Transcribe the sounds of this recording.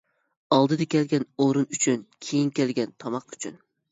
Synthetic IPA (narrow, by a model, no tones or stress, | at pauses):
ɑlˠd̪ɨd̪ɛkʲɛlɡʲɛnoɾɨnyt͡ʃʰynkʲʰejinkʲelɡʲɛnt̪ʰɑmɑqy̥t͡ʃʰyn